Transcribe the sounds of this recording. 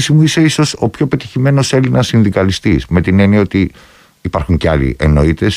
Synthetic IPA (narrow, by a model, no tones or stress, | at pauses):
simuise̞iso̞so̞pço̞pe̞t̪içime̞no̞se̞linɐsinðikɐlist̪izme̞t̪ine̞nio̞t̪iː | pɐɾxuɲceɐlḭʔeno̞it̪e̞s